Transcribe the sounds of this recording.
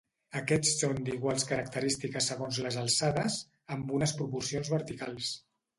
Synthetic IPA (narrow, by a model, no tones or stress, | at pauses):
əkɛt͡sːond̪iɣwalˠskəɾək̚t̪əɾist̪ikəsəɣ̞onzləzəlˠsaðəz | əmbunəspɾupuɾsionzβəɾt̪ikalˠs